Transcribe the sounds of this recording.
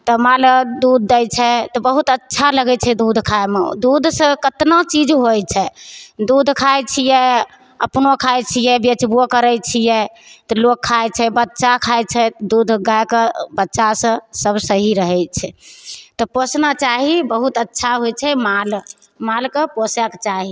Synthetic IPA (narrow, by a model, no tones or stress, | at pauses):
t̪ɔmald̪ud̪̚ʱːɛjt͡ʃʰɛt̪ɔbəɦut̪ətːʃʰaləɡɛt͡ʃʰɛd̪ud̪ʱkʰajmḛd̪ud̪ʱsə̃kət̪nət͡ʃid͡ʒɦojt͡ʃʰɛd̪ud̪ʱkʰajt͡ʃʰijɛ | əpnokʰajt͡ʃʰijɛbet͡ʃbokəɾɛt͡ʃʰijɛt̪ɔlokʰːajt͡ʃʰɛbətːʃakʰajt͡ʃʰɛd̪ud̪ʱɡajkebətːʃasə̃səbsəɦiɾəɦɛt͡ʃʰɛt̪ɔposnat͡ʃaɦibəɦut̪ətːʃʰaɦojt͡ʃʰɛmal | malkeposɛkt͡ʃaɦi